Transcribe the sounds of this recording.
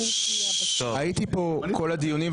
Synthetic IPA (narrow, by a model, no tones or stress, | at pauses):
oait̪ipokʰo̞lad̪ijunim